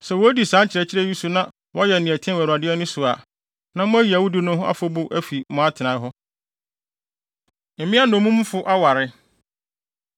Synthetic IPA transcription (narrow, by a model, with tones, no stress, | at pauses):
sɛ˨wɔ˦æ˦di˨sã˨˦t͡ɕʰɪ˨ɾɛ˨t͡ɕʰɪ˦ɾɛ˦ji˦su˦nã˦ | wɔ˦jɛ˨nɪ̃˨ɛ˨tʰɪ̃˦wæ˨ɾa˨dɪ˦ɛ˦nʊ̃˦sʊ˨a˨ | nã˦mʊ̃˦æ˦ji˨æ˨wʊ˦di˦nʊ̃˦ɦʊ̃˦ʔa̰˦fʊ˦bʊ˦ʔæ˦fi˨mɔ̃˨a˦tʰɪ˨nã˨˦ɦɔ˦ | m̩˨mɪ̃˦a˦nõ˨mũ˦m̃˦fʊ˦ʔa˦wa˨ɾɪ˦